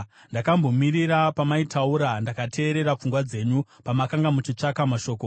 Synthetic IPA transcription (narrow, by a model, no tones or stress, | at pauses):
ndakambo̞miɾiɾapamaitʰauɾandakatʰe̞ːɾe̞ɾap͡fuŋɡwad͡ze̞ɲupamakaŋɡamut͡ʃit͡ʂakamaʃo̞ːko